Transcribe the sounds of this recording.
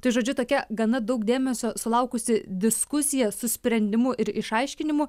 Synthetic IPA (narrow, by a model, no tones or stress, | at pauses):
t̪ɐɪʒoːd͡ʒʲʊt̪oːkʲɛɡɐnɐd̪ɐʊkd̪ʲeːmʲɛsʲoːsʊlˠɐʊkʊsʲɪd̪ʲɪskʊsʲɪjɛsʊsʲpʲɾʲɛnʲd̪ʲɪmʊʔɪɾɪʃɐɪʃʲkʲɪnʲɪmʊ